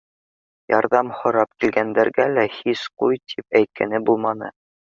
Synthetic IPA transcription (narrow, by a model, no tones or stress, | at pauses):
jɑɾðɑmhŏɾɑp̚kilɡænd̪æɾɡælæhisqujt̪ʰipæjt̪̚kʰænɘbulˠmɑnɤ̰